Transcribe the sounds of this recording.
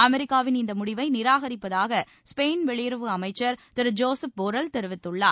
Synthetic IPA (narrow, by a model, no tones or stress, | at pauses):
ɐmɛɾɪkːaːʋɪnɪnd̪ɐmʊɽɪʋɐɪnɪɾaːɣɐɾɪpːɐðaːɣɐ | speːnʋɛɭɪjɾɯʋɯɐmɐɪt͡ʃːɐɾt̪ɪɾd͡ʒoːsɐpɔɾɐlt̪ɛɾɯʋɪt̪ːɯɭːaː